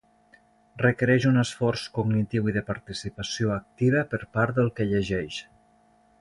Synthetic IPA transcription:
rəkəɾɛʒunəsfɔrskuɡnit̪iwiðəpaɾt̪isipəsioək̚t̪iβəpəɾpaɾd̪əlˠkəʎəʒɛʃ

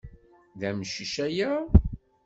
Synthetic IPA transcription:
ðæmʃiʃæjæ

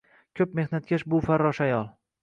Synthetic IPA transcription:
kʲʰɵpme̞hnat̪̚kʲʰaʃbʊfaɾːɒʃajɒlˠ

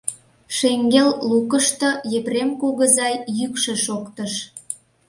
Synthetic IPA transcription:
ʃeŋɡelːukəʃt̪ɤ̆jepremkoɣəzɑjjykʃĕʃokt̪əʃ

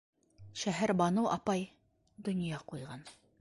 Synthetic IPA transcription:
ʃæɦæɾbɒnɤʔɑpɑj | d̪ŏnjɑqujʁɑn

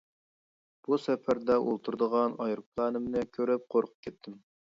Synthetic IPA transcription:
b̥usɛpʰæɾd̪ɛʔo̰lˠt̪ʰuɾd̪əʁɑnɑjɾpʰlˠɑːnɨmnɨkʲʰøɾɪp̚qʰoɾqʰə̥p̚kʰʲɛt̪ʰːɪm

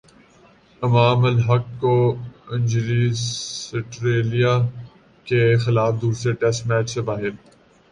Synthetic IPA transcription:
ɪmaːməlɦɐkːoɪ̃nʲd͡ʒli | ɪʈɾeːlija | kexɪlaːfd̪uːɾsɾeʈɛsʈmɛːt͡ʃsebaːɦɪɾ

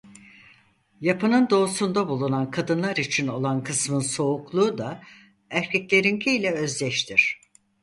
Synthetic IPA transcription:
japʰɯnɯnd̪o̞ːsund̪abulˠunankʰad̪ɯnlˠaɾit͡ʃʰino̞lˠankʰɯsmɯnso̞uklˠuːd̪a | æɾcʰɛcʲlʲe̞ɾincʰiilʲɛø̞zlʲɛʃt̪ʰiɾ̝̥

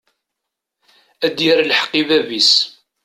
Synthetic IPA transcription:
æd̪iɾlħə̥qːivævis

